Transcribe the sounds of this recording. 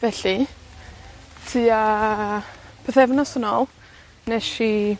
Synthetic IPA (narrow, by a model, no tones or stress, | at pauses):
vɛɬi | tʰɨːa | pʰeθɛvnasənoːlˠ | nɛʃi